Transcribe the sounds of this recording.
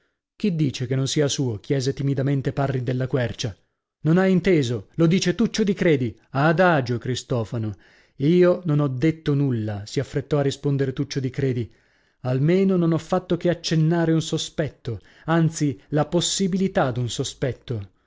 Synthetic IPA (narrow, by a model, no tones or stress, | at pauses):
k̟id̪ːiːt͡ʃekenːonsiːasuːokjɛːzet̪imid̪ament̪eparːid̪elːakwɛrt͡ʃa | nonaint̪eːzolod̪iːt͡ʃet̪ut͡ʃːod̪ikɾeːd̪i | ad̪aːd͡ʒokɾist̪ɔːfano | iːononɔd̪ːet̪ːonulːasiafːɾet̪ːɔarːispond̪eɾet̪ut͡ʃːod̪ikɾeːd̪i | almeːnononɔfːat̪ːokeat͡ʃːenːaːɾeunsospɛt̪ːo | ant̪silaposːibilit̪ad̪unsospɛt̪ːo